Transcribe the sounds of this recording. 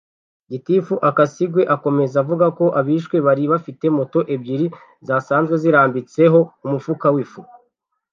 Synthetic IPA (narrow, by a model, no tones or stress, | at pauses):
ɟitifuʔakasiɡwe̞ʔako̞me̞zavuɡako̞ʔaβiːʃkwe̞βaɾiβafite̞mo̞to̞ʔe̞bɟiɾi | zasaːnzɡwe̞ziɾaːmbit͡se̞ɦo̞umufukawifu